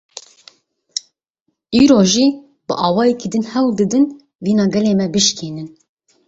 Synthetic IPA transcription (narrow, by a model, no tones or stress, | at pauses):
iːɾoːʒiː | bɨʔɑːwɑːjɛkiːd̪ɨnhɛwld̪ɨd̪ɨn | viːnɑːɡɛleːmɛbɨʃkʰiːnɨn